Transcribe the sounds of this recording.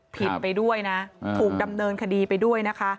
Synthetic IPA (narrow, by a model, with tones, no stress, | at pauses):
pʰi˨˩t̪̚pa˧jdu˥˩əjna˦˥ʔt̪ʰuː˨˩k̚da˧mnɤː˧nkʰa˧diː˧pa˧jdu˥˩əjna˦˥kʰa˦˥